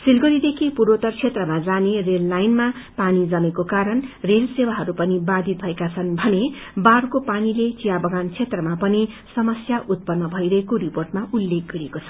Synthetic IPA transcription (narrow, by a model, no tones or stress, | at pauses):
silɡʌɾid̪ekʰipuɾot̪ʌrt͡sʰet̪rʌmad͡zanerelːajnma | panid͡zʌmekokaɾʌnrelsewaɦʌɾupʌnibad̪ʱit̪̚bʱʌekat͡sʰʌnbʱʌnebarkopanilet͡sijabʌɡant͡sʰet̪rʌmapʌni | sʌmʌsjaʔut̪̚pʌnːʌbʱʌiɾʌɦekoɾiporʈmaulːek̚ɡʌɾiekot͡sʰʌ̥